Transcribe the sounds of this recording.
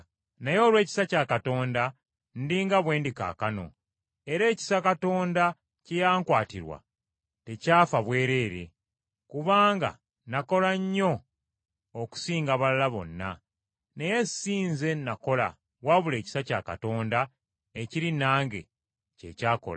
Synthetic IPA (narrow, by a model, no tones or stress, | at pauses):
najo̞ːlwe̞ːci̥sacaːkato̞ːnda | ndiːŋɡaβwe̞ːndika̰ːkano̞̰ | e̞ɾe̞ːci̥sakato̞ːnda | cejaːŋkwaːtiɾwa̰ | te̞caːfaβwe̞ːɾe̞ːɾe̞̰ | kuβaːŋɡa̰ | nako̞laɲːo̞ | oku̥siːŋɡaβalalaβo̞̰nːa̰ | ne̞je̞siːnze̞nako̞la̰ | waβule̞ːci̥saca̰ka̰to̞ːnda | eciɾinaːŋɡe̞̰ | ce̞̰caːko̰la